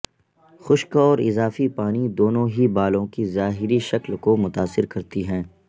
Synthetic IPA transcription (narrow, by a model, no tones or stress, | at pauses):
xʊʃkɔːɾɪ̰zaːfipaːnid̪oːnõɦibaːlõkizaːɦɪɾiʃɐklkomʊt̪aːsːɪɾkɐɾt̪iɦɛ̃ː